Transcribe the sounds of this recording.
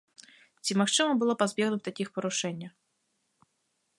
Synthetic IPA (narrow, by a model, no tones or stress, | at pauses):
t͡sʲimaxt͡ʂɨmɐbɨlˠɔpazbʲɛɣnʊwt̪akʲixpɔɾʊʂɛnʲːɐ